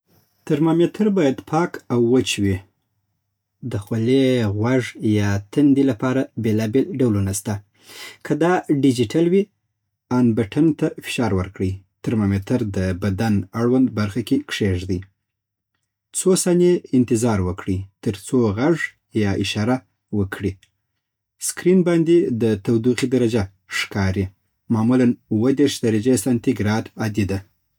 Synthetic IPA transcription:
t̪əɾmamet̪ʰəɾbɑjad̪pʰɑkawːət͡ʃwi | d̪əxwaleɣwaʐjɑt̪ənd̪ilapɑɾabelɑbelɖawlunast̪a | kʰəd̪ɑɖɪd͡ʒiʈalwi | anbaʈʰant̪afɪ̥ʃɑɾwəɾkɽit̪aɾmamet̪ʰaɾd̪əbad̪anaɽwand̪baɾxakekʂeʐd̪əj | t͡sosɑneɪnt̪ɪzɑɾwəkɽəjt̪əɾt͡soɣaʐ | jɑʔɪʃɑɾa | wəkʰɽi | skɾinbɑnd̪ed̪ət̪awd̪uqid̪aɾad͡ʒa | ʂkɑɾi | mɑmulanuwəd̪eɾʃd̪aɾad͡ʒest̪ant̪iɡɾɑd̪ad̪id̪a

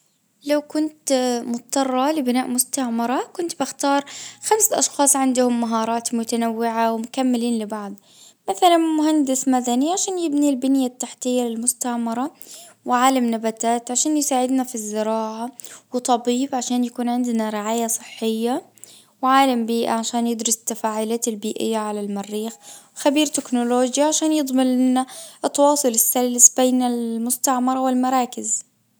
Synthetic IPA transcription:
lawkʊnt̪mʊt̪̚ːɑrˤːɑlɪbɪnaːʔmʊst̪aʕmɑɾˤɑkʊnt̪bɪxt̪ɑːɾˤxamsʔɑʃxɑːsˤʕɪnd̪ʊhʊmːaɦɑːɾˤɑːt̪mʊt̪anawːɪʕawmʊkamːɪliːnlɪbɑʕd̪ˤ | maθalanmʊhand̪ɪsmad̪aniʕaʃaːnjɪbnilbɪnjat̪ːaħt̪ɪjːalɪlmʊst̪aʕmɑɾˤɑwɪʕaːlamnabat̪aːt̪ʕaʃaːnjɪsaːʕɪd̪nafizːɪɾɑːʕawɨt̪ˤɑbiːbʕaʃaːnjakuːnʕɪnd̪naɾɪʕaːjasˤɨħːɪjːa | wʕaːlambiːʔa̰ʕaʃaːnjɪd̪ɾʊst̪ːafaːʕʊlaːt̪albiːʔɪ̰jːaʕalalmarːiːxwxabiːɾt̪ɪknʊloːd͡ʒjaʕaʃaːnjɨd̪ˤmɪlʔɪnːaʔt̪ːɑwɑːsˤʊlɪsːalːsbeːnalmʊst̪aʕmɑɾˤɑwɪlmɑɾˤɑːkɪz

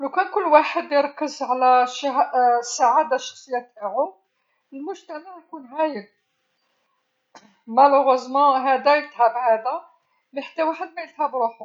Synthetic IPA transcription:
læwkænkʊlːwaħəd̪jəɾˤɑkːəzʕlæʃɦsaʕad̪aʃɑ̥xsˤəjːat̪aʕʊ | əlmʊʒt̪æmaʕjkunɦæjəl | mæluɣɑzmæɦæd̪æjət̪hæbhæd̪æ | mæħḁt̪ːæwaħəd̪mæjət̪hæbɾˤuħʊ

